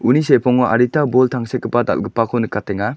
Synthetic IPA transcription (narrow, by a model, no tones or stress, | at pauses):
unisepʰɔŋɔʔa̰ɾitabɔltʰaŋsekʰːɯpada̰lɡɯpːakʰɔnɯkatʰɛŋa